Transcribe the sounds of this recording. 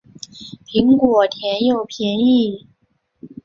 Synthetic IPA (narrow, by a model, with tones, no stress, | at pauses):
pʰi˧˥ŋkwɔ˨˩t̪ʰjɛ˧˥njo˨˩ʊpʰjɛ˧˥ni˥˩